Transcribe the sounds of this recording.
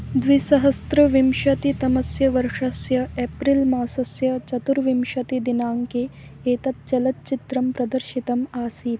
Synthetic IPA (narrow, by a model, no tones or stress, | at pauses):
d̪ʋisɐɦɐst̪ɾɐʋimʃɐt̪it̪ɐmɐsjɐʋɐɾʂɐsjɐepɾilmaːsɐsjɐt͡ʃɐt̪uɾʋimʃɐt̪id̪inaːŋkeeːt̪ɐt̪̚t͡ʃɐlɐt̪̚t͡ʃit̪ɾɐmpɾɐd̪ɐɾʃit̪ɐmaːsiːt̪